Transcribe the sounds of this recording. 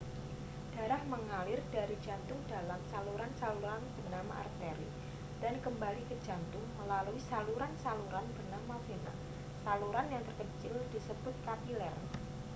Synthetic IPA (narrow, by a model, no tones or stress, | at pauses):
d̥a̤ɾahməŋalɪrd̥aɾid͡ʒa̤nt̪ʊŋd̥alamsaluɾansaluɾanbərnama̰ʔa̰rt̪eɾi | d̥ankəmbalikəd͡ʒa̤nt̪ʊŋməlaluisaluɾansaluɾanbərnamafena̰ | saluɾanjaŋt̪ərkət͡ʃɪld̥isəb̥ʊt̪̚kat̪ilɛr